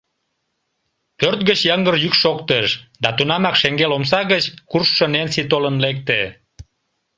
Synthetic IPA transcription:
pørt̪̚ɣət͡ɕjɑŋɡərjykʃokt̪eʃd̪ɑt̪unɑmɑkʃeŋɡeloms̬ɑɣət͡ɕkurʃːənensit̪olənlek̚t̪e

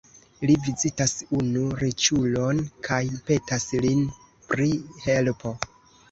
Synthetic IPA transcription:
livizitasunuɾit͡ʃulo̞nkʰajpe̞taslin | pɾihe̞lpʰo̞

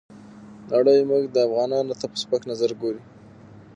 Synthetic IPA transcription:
naɽəjmuɡd̪əafɣɑnɑnot̪apə̥spaknazaɾɡoɾi

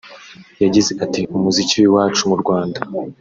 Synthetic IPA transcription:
jaɟize̞ʔatiumuziciwuwaːt͡ʃumuɾɡwaːnda

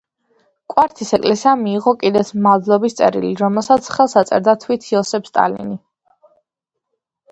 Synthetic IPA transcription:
kʼwaɾt̪ʰisɛkʼlɛsiamiːʁɔkʼid̪ɛt̪smad̪lˠɔbist̪sʼɛ̰ɾḭliɾɔmɛlˠsat̪sʰχɛlˠsat̪sʼɛ̰ɾd̪at̪ʰwit̪ʰiɔsɛpst̪ʼa̰lḭni

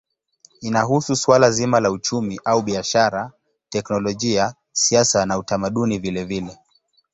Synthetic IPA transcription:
inaɦususwalazimalaut͡ʃumiʔauɓiaʃaɾa | tɛknɔlɔʄia | siasanautamaɗunivilɛvilɛ

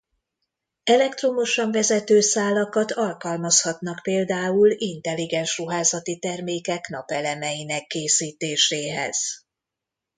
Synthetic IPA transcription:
ɛlɛkt̪ro̞moʃɒɱvɛzɛt̪øːsaːlːɒkɒt̪ʰɒlkɒlmɒshɒt̪nɒkpeːld̪aːulint̪ɛlːiɡɛnʃruɦaːzɒt̪it̪ɛrmeːkɛknɒpɛlɛmɛjinɛkːeːsiːt̪eːʃeːɦɛ̰z̥

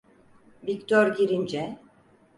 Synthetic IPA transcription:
vict̪ʰoɾɟiɾind͡ʒɛ

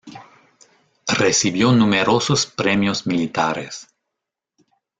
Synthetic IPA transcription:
resiβjonumeɾosospɾemjosmilit̪aɾḛs

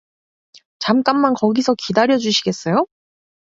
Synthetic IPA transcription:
t͡ɕamk͈amːankʌɡisʰʌkidaɾjʌd͡ʑuɕʰiɡe̞s͈ʌjo

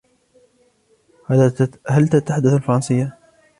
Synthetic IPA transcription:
halt̪at̪aħad̪ːaθalfɑɾˤɑnsɪjːa

